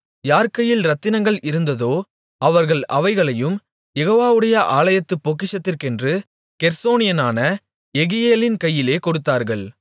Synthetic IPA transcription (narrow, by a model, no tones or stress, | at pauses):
jaːɾkɐjːɪlɾɐt̪ːɪnɐŋɡɐɭʔɪɾɯnd̪ɐðoː | ʔɐʋɐɾɣɐɭʔɐ̰ʋɐɪɣɐɭɐjɯm | jɛɣoːʋaːʋɯɽɐjɐʔaːɭɐjɐt̪ːɯpːoːk̬ːɪʂɐt̪ːɪrkɛndrɯ | kɛɾsoːnɪjɐnaːnɐ | ɛɣɪjeːlɪnkɐjːɪleːkɔɽɯt̪ːaːɾɣɐɭ